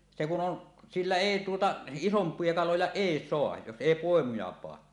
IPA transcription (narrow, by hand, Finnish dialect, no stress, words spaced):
se kun on silːæ eˑi tuotɑ isompˑie kɑlojɑ eˑi soɑj jos eˑi poˑemujɑ pɑː